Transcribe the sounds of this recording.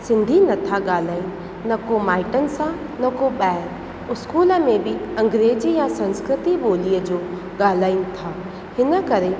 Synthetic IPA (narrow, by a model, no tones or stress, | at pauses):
sɪ̃nd̪ʱinɐt̪ʰaɠaːl̤aːinɪ̆ | nɐkomaːɪʈənɪ̆sã | nɐkoɓɛːɪɾ | ʊskuːlə̆mẽbɪɐ̃ŋɡɾeːd͡ʑijãsɐ̃nskɾɪt̪iɓoːliəd͡ʑoː | ɠaːl̤aːinɪ̆t̪ʰaː | hɪnə̆kɐɾe